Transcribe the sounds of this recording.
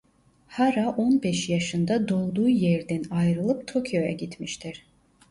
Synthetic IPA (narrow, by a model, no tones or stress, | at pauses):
haɾaʔo̞nbɛʃjaʃɯnd̪ad̪o̞lˠd̪uːjɛɾd̪ɛnajɾɯlˠɯp̚t̪ʰo̞cʰjo̞ja̰ɟit̪miʃt̪ʰiɾ̥